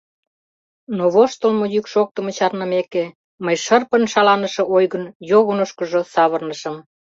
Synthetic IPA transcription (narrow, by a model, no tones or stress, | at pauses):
noβoʃt̪olmojykʃok̚t̪əmə̆t͡ɕɑrnə̆meke | məjʃərpənʃɑlɑnəʃĕojɣənjoɣonoʃkə̆ʒosɑβərnəʃə̆m